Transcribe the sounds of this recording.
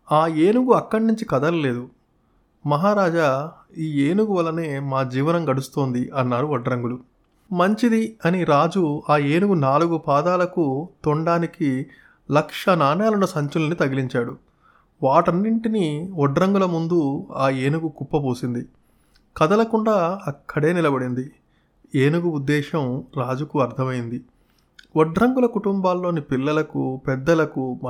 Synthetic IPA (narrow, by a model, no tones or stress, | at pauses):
aːeːnuɡuɐkːɐɽnuɲt͡ʃikɐd̪ɐlɐle̞ːd̪u | mɐɦaːɾaːd͡ʒa | iːeːnuɡuʋɐlːɐneːmaːd͡ʒiːʋɐnɐŋɡɐɽust̪o̞ːnd̪iʔɐnːaːɾuɔɖɾɐŋɡulu | mɐɲt͡ʃid̪iɐniɾaːd͡ʒuaːeːnuɡunaːluɡupaːd̪aːlɐkut̪ɔɳɖaːniki | lɐkʂɐnaːnjaːlunːɐsɐɲt͡ʃulɐnit̪ɐɡiliɲt͡ʃaːɽu | ʋaːʈɐnːiɳʈiniɔɖɾɐŋɡulɐmund̪uaːeːnuɡukupːɐpoːsind̪i | kɐd̪ɐlɐkuɳɖaːɐkʰːɐɽe̞ːnilɐbɐɽind̪i | eːnuɡuud̪ːɛːʃɐmɾaːd͡ʒukuɐɾt̪ʰɐmɐjind̪i | ɔɖɾɐŋɡulɐkuʈumbaːlːo̞ːnipilːɐlɐkupɛd̪ːɐlɐku